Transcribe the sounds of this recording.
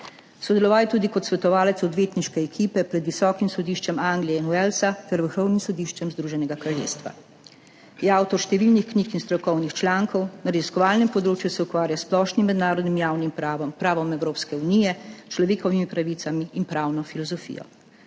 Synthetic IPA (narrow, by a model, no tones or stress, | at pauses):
sɔd̪ɛlɔʋaːljt̪uːd̪ikɔt̪sʋɛt̪ɔʋaːlɛt̪sɔd̪ʋeːt̪niʃkɛɛkʰiːpɛpɾɛd̪ʋisɔːkimsɔd̪iːʃt͡ʃɛmaŋɡliɛinuɛlsat̪ɛɾʋəɾxɔwnimsɔd̪iːʃt͡ʃɛmzd̪ɾuːʒɛnɛɡakɾaljḛːst̪ʋa̰ | jɛawt̪ɔɾʃt̪ɛʋilnixkniːkinst̪ɾɔkɔwnixt͡ʃlaːŋkɔwnaɾɛziskɔʋaːlnɛmpɔd̪ɾoːt͡ʃjusɛukʋaːɾjasplɔʃnimːɛd̪naːɾɔd̪nimjaːwnimpːpɾaːʋɔmɛwɾoːpskɛuniːjɛt͡ʃlɔʋeːkɔʋimipɾaʋit̪samiːnpɾaːwnɔfilɔzɔfḭːjɔ̰